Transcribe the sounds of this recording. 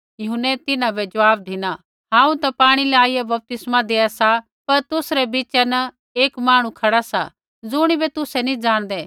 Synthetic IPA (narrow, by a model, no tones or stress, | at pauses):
jʊɦənːɛt̪ɪnãbɛd͡ʒɐʋaːb̚d̪ʱɪna | ɦãːũt̪ɐpaːɽ̃ilɛaːiɛbɐp̚t̪ɪsmad̪eːasa | pɐɾt̪ʊsɾɛbiːt͡ʃɛnɐ | eːkmaːɽ̃ũkʰɐɽasa̰ | d͡zʊɽ̃ibɛt̪ʊsɛnĩd͡ʒaːɽ̃d̪ɛː